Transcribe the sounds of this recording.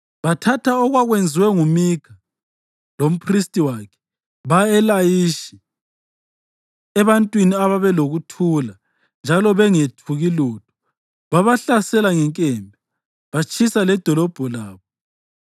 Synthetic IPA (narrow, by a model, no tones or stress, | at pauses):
βatʰatʰaɔɣwaɣwend͡zʱiwɛŋumikʰa | lom̩pʰristʼiwaːkʰɛ̥ | βaɛlajiʃi̥ | ɛβantʼwiniaβaβɛloɣutʰula | nd͡ʒʱalɔβɛŋetʰuɣiluːtʰu̥ | βaβaɬasɛlaŋɛŋkʼɛmbʱɛ | βat͡ʃʰʼisalɛd̥ʱɔlɔb̥ʱɔlaːβɔ